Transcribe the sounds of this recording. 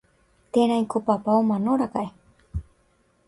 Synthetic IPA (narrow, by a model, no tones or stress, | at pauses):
t̪eɾãĩkopapaomanoɾakae